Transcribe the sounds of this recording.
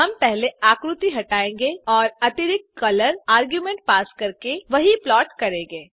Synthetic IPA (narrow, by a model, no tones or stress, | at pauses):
ɦɐ̃mpɛɦleaːkɾʊt̪iɦɐʈaːẽːŋɡeɔːɾɐt̪ɪɾɪkkːɐləɾaːɾɡjumẽɳʈ̚paːskɐɾkeʋɐɦiplɔːʈkɐɾẽːŋɡeː